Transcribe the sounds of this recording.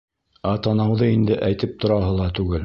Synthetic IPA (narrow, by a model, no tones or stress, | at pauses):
æt̪ɑnɑwðɤind̪ɘʔæjt̪ɘp̚t̪ŏɾɑɦɤlˠɑt̪ʉɡɘl